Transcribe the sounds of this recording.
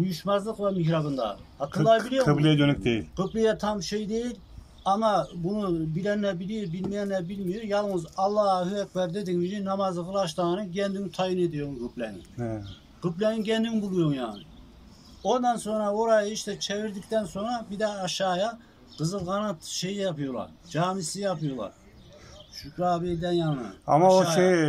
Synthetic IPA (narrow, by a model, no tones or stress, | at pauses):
ujyʃmɑzlˠəqvɑmihɾɑbɨnd̪ɑ̰hɑk̪ʰɨlːˠɑbilijoplijɛd͡ʒønɛkʲd̪ejiqɨplijɛt̪ʰɑmʃejd̪ejil | ɑmɑbunubilɛnːɛbilijiɾbilmijɛnːɛbilmijuɾjɑlˠmuzɑlˠːɑːhyɛk̚ʲbɛɾd̪ed̪ɪŋmid͡ʒinɑmɑzlˠəʁəlˠɑʃ̬t̪ɑnɨɡʲɛnd̪yŋt̪ʰɑjined̪ijoŋʁɨplɛŋ | quplɛniɡʲɛnd̪yŋbulˠujoŋjɑːnɨ̰ | ond̪ɑnsoŋɾɑoɾɑjeʃt̪ɛt͡ʃʰeviɾd̪ik̚ʲt̪ɛnsonɾɑbid̪ɛɑʃɑːjɑ | qɨzɨlˠʁɑnɑt̪ʃejijɑpʰujolˠɑ̰ɾd͡ʒɑːmisijɑpujolˠɑ̰ɾ | ʃykʲɾɑːbeld̪ɛnjɑnɨ̰ɑ̰mɑoe